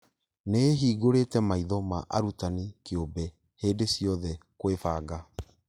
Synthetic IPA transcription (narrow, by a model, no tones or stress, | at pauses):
neɦiːɡoɾetɛmaiðɔmaʔaɾutanikeobɛ | heːdesiɔðɛkwefaːɡa